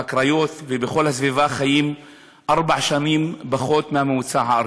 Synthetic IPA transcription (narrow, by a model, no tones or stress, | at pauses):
akɾajo̞t̪vebeχo̞lhas̬vivaχajim | ʔaʁbaʕʃanimbaχo̞t̪mehameut͡saɦaa